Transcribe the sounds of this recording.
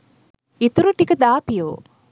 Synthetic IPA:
it̪uɾuʈikɐd̪aːpijo̰ː

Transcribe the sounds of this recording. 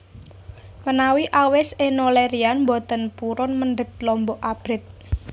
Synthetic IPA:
mənawiʔawɪsenoleɾianmbɔt̪ə̤npuɾɔnmənɖəɡ̚lɔmbɔʔab̥ɾɪt̪̚

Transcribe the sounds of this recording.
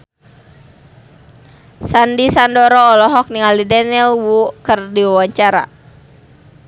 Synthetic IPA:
sandisandɔɾɔːlɔɦɔk̚niŋalidanilwukərdiwawaɲt͡ʃaɾa̰

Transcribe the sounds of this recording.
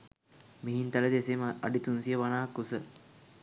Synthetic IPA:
meɦint̪aləd̪esema̰ɖit̪unsijəʋanaːkːusə

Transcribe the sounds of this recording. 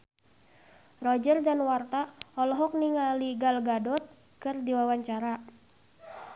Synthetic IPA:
rɔd͡ʒərdanwart̪aɔlɔɦɔk̚niŋaliɡalɡadɔt̪̚ | kɨrdiwawaɲt͡ʃaɾa

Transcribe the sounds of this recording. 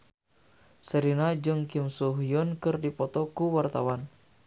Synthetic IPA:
səɾinad͡ʒɨŋkimsuɦijɔnkɨrdipɔt̪ɔkuwart̪awan

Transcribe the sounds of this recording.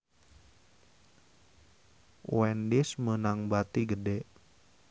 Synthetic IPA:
wɛndismənaŋbat̪iɡədɛ

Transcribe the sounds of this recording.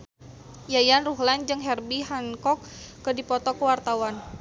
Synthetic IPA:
jajanruɦland͡ʒɨŋɦɛrbiɦankɔkː | ədipɔt̪ɔkəwart̪awan

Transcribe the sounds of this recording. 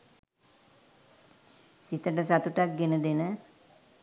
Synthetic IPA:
sit̪əʈəsat̪uʈak̚ɡenəd̪enə

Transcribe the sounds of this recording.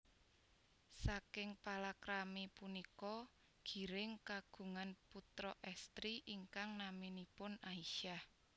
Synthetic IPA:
sakɪŋpalakɾamipunikɔ | ɡ̥i̤ɾɪŋkaɡ̥ṳŋanput̪ɾɔʔɛst̪ɾiʔiŋkaŋnaminipʊnaiʃah

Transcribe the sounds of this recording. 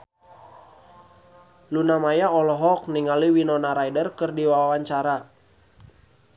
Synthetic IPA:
lunamajaɔlɔɦɔk̚niŋaliwinɔnaɾajdərkɨrdiwawawaɲt͡ʃaɾa

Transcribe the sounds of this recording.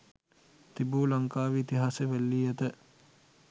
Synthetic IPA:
t̪ibuːlaŋkaːʋiit̪iɦaːseʋælːiːɛt̪ə

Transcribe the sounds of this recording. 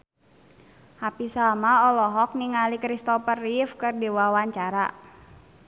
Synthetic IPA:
hapisamaɔlɔɦɔk̚niŋalikɾist̪ɔpərifkɨrdiwawaɲt͡ʃaɾa̰

